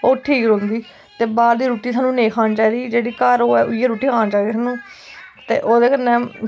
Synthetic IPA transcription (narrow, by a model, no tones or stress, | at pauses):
oːʈʰiːkɾõːnd̪iː | t̪eːbaːd̪d̪iːɾuːʈiːsaːnũːnẽːkʰaːnt͡ʃaːɾiːd͡ʒeːɽiːkəɾoːɛːʔʊiːeːɾuːʈiːkʰaːnt͡ʃaːɾiːsaːnũːt̪ḛːʔoːd̪eːkənːɛː